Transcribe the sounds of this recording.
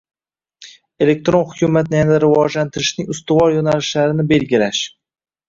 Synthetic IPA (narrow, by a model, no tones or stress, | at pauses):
e̞le̞k̚ʲt̪ɾo̞nhʊkʲʰʊmat̪̚nɪjanad̪aɾɪvɒd͡ʒlant̪ʰɪɾɪʃnɪŋʊst̪ʊvɒɾjonalɪʃlaɾɪnɪbe̞lɡʲɪɾaʃ